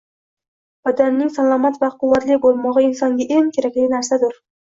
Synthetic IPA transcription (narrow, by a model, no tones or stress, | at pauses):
b̥ad̪anːɪŋsalˠɒmat̪vaqʰʊwːat̪lɪbolˠmɒʁɨɪnsɒŋɡʲaʔeŋkʲʰeɾakʲlɪɡʲɪnaɾsad̪ʊɾ